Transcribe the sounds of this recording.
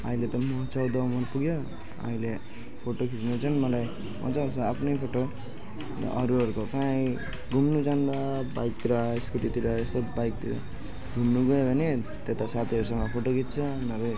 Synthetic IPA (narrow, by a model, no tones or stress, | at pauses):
ʌilet̪ʌmʌt͡sʌwd̪ʌumʌrpuɡjo | ʌ̰ɦĩle | pʰoʈokʰit͡snut͡sʰʌnmʌlaj | mʌ̰t͡sasʌapʰnʌjpʰoʈo̰ | ʔʌɾuʌɾukokaĩ | ɡʱumnut͡sand̪ʌbajk̚t̪iɾʌeskuʈit̪iɾʌesʌbajk̚t̪iɾʌ̰ | ɡʱumnuɡʌjebʱʌne | t̪et̪asat̪ʰiʌɾusʌŋʌpʰoʈokʰit̪t͡sʰʌ | nʌbʌ